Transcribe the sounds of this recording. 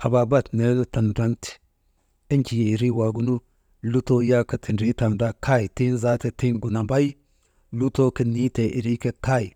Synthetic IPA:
ha˨ba˨ba˦˨tne˦lta˨nɾa˦nti̥˨ | i˦nt͡ʃi˨je˨ɾi˦wa˨ɡu˦nu˦ | lu˦to˦ja˦ka˦tʰi˨nɾi˦ta˨nda˦kʰa˦i˨ti˦nza˦te˨ti˦nɡu˨na˨ba˦j | lu˦to˦ki˦ni˦te˨ʔi˨ɾi˦ke˦ka˦ji˨

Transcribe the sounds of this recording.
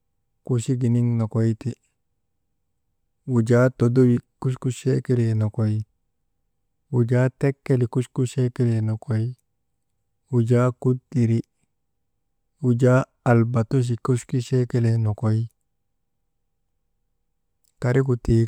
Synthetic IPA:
ku˨ʃi˦ɡi˨ni˦ŋno˨ko˦i˦ti˨ | wu˨d͡ʒa˦to˨do˦wi˨ku˦ʃku˦ʃe˦ki˦le˨no˨ko˨i˦ | wu˨d͡ʒa˦te˦kːe˦li˨ku˦ʃku˦ʃe˦ki˦le˨no˨ko˦i˦ | wu˨d͡ʒa˦ku˦di˨ɾi˦ | u˨d͡ʒa˦ | a˨lba˨tu˦ʃ̬i˨ku˦ʃki˦ʃe˦ke˦le˨no˨ko˨i˦ | ka˨ɾi˦ku˨ti˨

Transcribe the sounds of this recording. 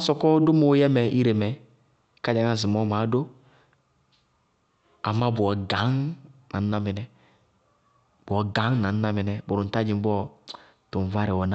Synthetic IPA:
sɔ˨kɔ˦du˦mo˨˦jɛ˦mɛ˨ʔi˦ɾe˨mɛ˨ | ka˦d͡ʒa˨ŋa˦˨zi˨mɔ˦ma˨˦do˦ | a˨mːa˦bu˨ɔ˨ɡa˨˦ŋna˨n̩˦na˦mɛ˨nɛ˨ | b̥ɔ˨ɡa˨˦ŋna˨n̩˦na˦mi˨nɛ˨bo˨ɾu˨n̩˨ta˦d͡ʒi˨˦bɔ˦˨ | tu˨n˨va˦ɾi˨wɔ˨na˦

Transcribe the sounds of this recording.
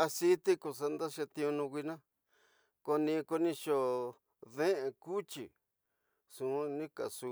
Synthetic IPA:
a˧si˦t̪i˦ku˧s̬a˧nd̪a˦ʃa˧t̪ĩ˧ũ˧nũ˧k̬ʷi˧nã˦ | ko˧nĩ˧ko˧nĩ˧ʃo˧ | ðẽ˦ʔẽ˧ku˦t͡ʃḭ˨ | sũ˨˦nĩ˦ka̰˨su˧

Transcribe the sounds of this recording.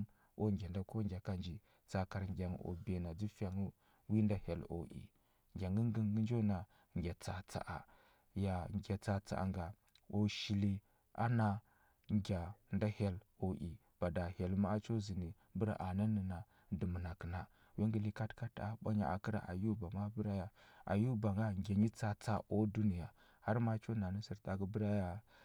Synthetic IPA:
o˦ŋɡʲa˨nda˦ko˦ŋɡʲa˨ka˦nd͡ʒi˨ | t͡sa˨ka˨ɾŋɡʲa˨ŋ˨o̰˨be˨na˨d͡zi˦fa˨ŋu˦ | wi˦nda˦ha˨lo̰˨ʔḭ˨ | ŋɡʲa˨ŋɡə˦ŋ˦ɡə˦ŋ˦ɡə˦n˦d͡ʒo˦na˨ | ŋɡʲa˨t͡sa˨t͡sa̰˨ʔa̰˨ | ja˨ŋɡʲa˨t͡sa˨t͡sa̰˨ʔa̰˨ŋɡa˨ | o˨ʃi˨li˦ | a̰˦na˦ | ŋɡʲa˨nda˦ha˦l | o˨ʔḭ˨ | b̥a˨da˨ha˨lma˦t͡ʃo˦zi˨ni˨ | bu˦ɾa̰˨ʔa˨na˦ni˨na˨ | də˨mə˨na˨kə˨na˨ | wi˦ŋɡi˦li˦ka˦tka˦ta˨˦ɓʷa̰˦ɲa̰˨a˨ki˦ɾa̰˨ʔa̰˨ju˦ba˨ma˦bə˦ɾa˦ja˨a̰˨ju˦ba˨ŋɡa˦ɡʲa˨ɲi˦t͡sa˨t͡sa˦ʔo˦du˦ni˨ja˨ | ha˦ɾma˦t͡ʃo˦na˨nə˦si˨ɾta˨ɡə˦bə˦ɾa˦ja˦

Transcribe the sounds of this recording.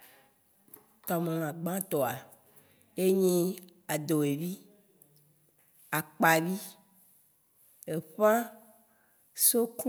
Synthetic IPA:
t̪ɔ˨mẽ˨l̃ã˨ɡ͡bã˦t̪ɔ˨a˨ | e˦ɲĩ˦ | a˨d̪o˨e˨vi˦ | a˨k͡pa˨vi˦ | e˨ɸã˦ | so˦k

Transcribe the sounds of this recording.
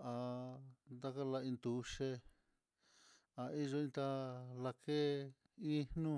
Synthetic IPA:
a˧nd̪a˦ka˦la˧ĩ˧nd̪u˨˦ʃe˧ | a˨i˦ʒo˧ĩ˧t̪a˧la˧kʰe˦ | ĩ˦nnũ˦

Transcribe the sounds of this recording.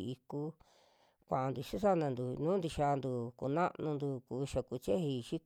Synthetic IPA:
i˧ku˧˦ | kʷã˨a˧nd̪u˨ʃi˦ʂa˦˧nã˧nd̪u˨nũː˦nd̪i˧ʃa˧nd̪u˨kṵ˧nã˦ʔnũ˧nd̪u˧kuː˨˧ʃa˨ku˧t͡ʃe˦hi˧ʃi˦

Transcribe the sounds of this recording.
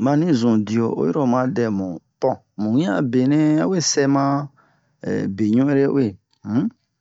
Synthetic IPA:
mã˧nĩ˦zũ˨di˨o˨ʔo̰˦i˦ɾo˨mã˦dɛ˨mũ˨pɔ̃˦ | mũ˨ĩ˦ã̰˦˨be˨nɛ̃˦a˦we˦sɛ˦mã̰˦˨ | be˨ɲũ˦e˦ɾe˦we˦˨˦

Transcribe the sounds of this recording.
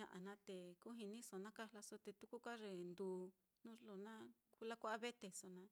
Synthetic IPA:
ɲã̰˧ʔa˨nã˦t̪e˨ku˦ɦi˧nĩ˦so˨nã˦ka˦la˧so˧t̪e˧t̪u˦ku˦ka˦ʐe˧˨nd̪uː˨˧˨ | nũ˦lo˧˨nã˦ku˦la˦kʷa˦a˦βe˦t̪e˧so˧nã˧

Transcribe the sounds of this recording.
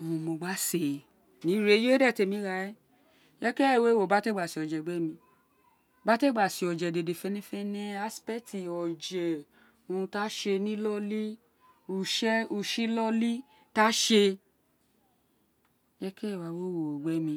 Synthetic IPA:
o˨ũ˨˧˨mo˧ɡ͡ba˦se˨ | nĩ˨˦ɾe˧˦je˦dɛ˦˨te˧˨mĩ˧˦ɾa˧ɛ˦ | jɛ˦kɛ˦˨we˦wo˨ba˦te˦˨ɡ͡ba˨si˧˨ɔ˨d͡ʒɛ˨ɡ͡bɛ˦mĩ˧ | ba˦te˦˨ɡ͡ba˨si˧ɔ˨d͡ʒɛ˨de˨de˨fɛ˧˦nĩ˦fɛ˦nẽ˦a˦spɛ˦ti˨ɔ˨d͡ʒɛ˨ | ũ˧ta˦ʃe˧nĩ˦lɔ˦li˦ | u˨˧ʃɛ˦u˧ʃi˦lɔ˦li˦ | ta˦ʃe˧ | jɛ˦kɛ˦˨wa˧wo˦wo˨ɡ͡bɛ˦mĩ˧

